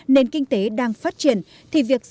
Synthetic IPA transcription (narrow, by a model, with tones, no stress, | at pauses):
ne˧nkï˧ŋ̟t̪e˨˦ɗaː˧ŋfaː˦˥t̚t͡ɕi˧˩ən | t̪ʰi˨˩vi˨˩ək̚